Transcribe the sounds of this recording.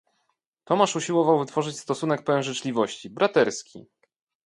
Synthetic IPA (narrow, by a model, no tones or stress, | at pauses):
t̪ɔmaʂuɕiwɔvawvɘt̪fɔʐɘt͡ɕst̪ɔsunɛk̚pɛwɛwʐɘt͡ʂlʲivɔɕt͡ɕibɾat̪ɛɾskʲḭ